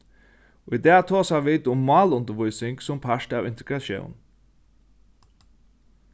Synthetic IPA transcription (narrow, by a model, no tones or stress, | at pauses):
id̪ɛːt̪ʰoːsaʋiːd̪ʊmːɑːlʊnt̪əɾʋʊjsɪŋksʊmpʰaʂtaːwɪnt̪ɪɡɾaʃjɛ̰wn